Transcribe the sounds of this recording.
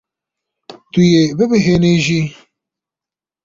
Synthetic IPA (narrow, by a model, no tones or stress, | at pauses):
t̪ujebɪbɪɦeːneːʒi